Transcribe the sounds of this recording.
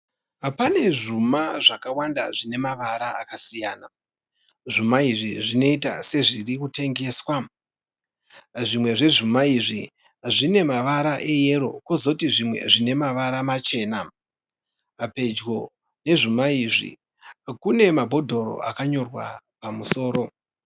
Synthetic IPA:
pane̞ʐumaʐakawanda̰ʐine̞maʋaɾaa̰kasijaːna | ʐumaiʐiʐino̞ita̰se̞ʐirikute̞ŋɡe̞ːswa | ʐimwe̞ʐe̞ʐumaiʐi | ʐine̞maʋaɾaʔe̞je̞ɾo̞̰kozo̞tiʐimwe̞̰ʐine̞maʋaɾamat͡ʃe̞ːna | pe̞d͡ʒɡo̞ | ne̞ʐumaiʐḭ | kune̞mabʱo̞dʱo̞ɾo̞̰a̰kaɲo̞rwa̰ | pamuso̞ːɾo̞

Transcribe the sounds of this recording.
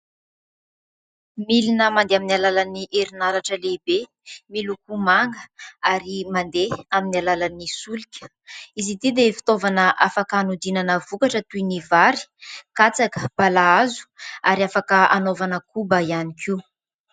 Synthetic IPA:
milinəmand̪eaminalalaniʔeɾinaɾaʈ͡ʂəlebe | milukumaŋɡəaɾimand̪eaminialalanisulikʲə̥ | izit̪id̪efi̥t̪ovanəʔafakanud̪inanəvukaʈ͡ʂət̪uinivaɾi̥kat͡sakə̥b̥alaazu̥aɾiafakəanovanəkubəianikʰi

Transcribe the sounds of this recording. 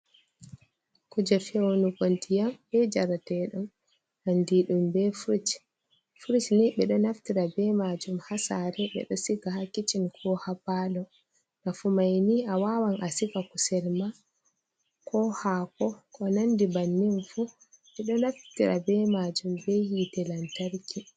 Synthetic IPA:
kud͡ʒɔfɛwonukontijambɛd͡ʒaɾatɛɗɔn | ʔandiɗumbɛfuɾit͡ʃ | fuɾit͡ʃniɓɛɗɔnaftiɾabɛmad͡ʒumhasaɾɛɓɛ̰ɗɔsiɡahakːit͡ʃinkʰɔhapalɔ | nafumajniʔawawanʔasikakusɛlma | kɔhakɔkɔnandibanːinfu | ɓɛɗɔnaftiɾa̰bɛmad͡ʒumbɛhitɛlantaɾki

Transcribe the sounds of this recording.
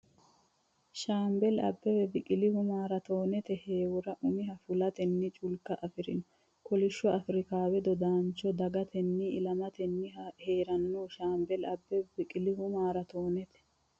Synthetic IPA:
ʃaːmbɛlɐ̰bːɛwɛbɪkʼɪlɪhʊmaːɾɐt̪o̞ːnɛt̪ɛheːwʊɾɐʔʊmɪɦɐfʊlɐt̪ɛnːɪt͡ʃʼʊlkːɐʔɐfɪɾɪ̰nɔ̥ | kɔlɪʃːɔɐfɾɪkaːwɛd̪ɔd̪aːnt͡ʃɔd̪ɐɡɐt̪ʰɛnːɪɪlɐmɐt̪ɛnːɪheːɾɐnːoːʃaːmbɛlɐbːɛbɪkʼɪlɪhʊmaːɾɐt̪oːnɛt̪ɛ̥

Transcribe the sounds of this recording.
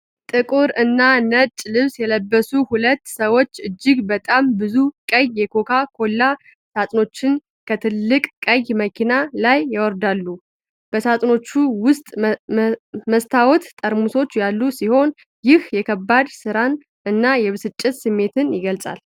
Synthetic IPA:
t̪ʼɨkʼuɾɨnːanət͡ʃʼlɨβsjɛləbːəsuhulət̪ːsəwo̞t͡ʃːɨd͡ʒːɪɡbət̪ʼambɨzukʼəjjɛkʰo̞kʰakʰo̞lːa | sat̪ʼno̞t͡ʃːɪn | kʰət̪ʰɨlːɨkʼkʼəjməkʰinalajːawɔɾd̪alːu | b̥əsat̪ʼno̞t͡ʃːuwʊst̪ʼ | məst̪ʰawɔt̪t̪ʼəɾmuso̞t͡ʃːjalːusiho̞n | jɪhjɛkʰəbːad̪sɨɾan | ɨnːajɛβɨsɨt͡ʃʼːɪt̪sɨmːe̞t̪ʰɨnjɪɡəlt͡sʼa̰l

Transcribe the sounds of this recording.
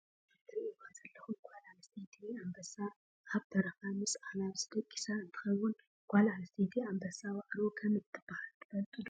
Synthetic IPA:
t̪ʰɨɾiikazɐlːɐxuɡʷalʕalset̪ʰiambɐsa | ʔaβt̪ʰɐɾɐfamɨsanaβsɨd̪ɐkʼːi̥saɨnt̪ʰɨ̥xɐwːʊn | ɡ̥ʷalʕalset̪ʰiambɐsawaʔɾokʰɐmɨt̪ʰːɨbahɐlt̪ʰɨ̥fɐlt̪ʼɨd̪

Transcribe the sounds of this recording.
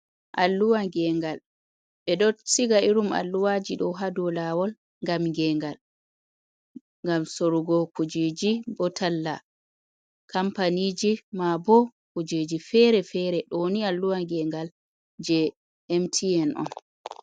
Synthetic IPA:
ʔalːuwaŋɡɛŋɡal | ɓɛɗɔsiɡaiɾuma̰lːuwad͡ʒiɗɔɦadɔlawɔl | ŋɡamŋɡɛŋɡal | ŋɡamsoɾuɡɔkud͡ʒed͡ʒibɔtʰalːa | kampanid͡ʒimabɔkud͡ʒed͡ʒifɛɾɛfɛɾɛɗɔnialːuwaŋɡɛŋɡal | d͡ʒɛ | ɛmtʰiɛnʔɔ̰n

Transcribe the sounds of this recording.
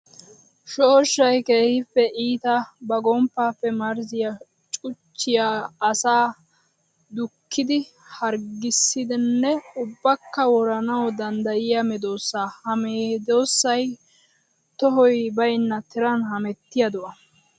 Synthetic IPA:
ʃoːʃːɐjkeːhɪpːɛʔiːt̪ɐbɐɡɔmpːaːfːɛmɐɾzɪja | t͡ʃʼʊt͡ʃːɪjaːsaː | d̪ʊkʰːɪd̪ɪ | hɐɾɡɪsːɪd̪ɪnːɛʊbːɐkːɐwɔɾɐnɐwd̪ɐnd̪ɐjɪjɐmɪd̪o̞ːsːaːhɐmeːd̪oːsːɐj | t̪ɔɦɔjbɐjnːɐt̪ɪɾɐnhɐmɛt̪ːɪjɐd̪ʊʔɐ

